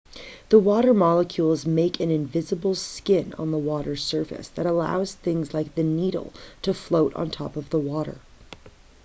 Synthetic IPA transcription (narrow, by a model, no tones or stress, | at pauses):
ðəwɔɾə˞mɑlˠəkʰjulˠzmeɪkʰɨ̃nɨ̃ɱvɪzəbl̩ˠskɪ̃nə̰̃nðəwɔɾə˞sɜ˞fɨ̰sðɨɾəla̰ʊz̥θɪ̃ŋzlaɪk̚ðɨniɾl̩ˠtʰɨfloʊɾn̩tʰɔ̰pʌvðəwɔɾə̰˞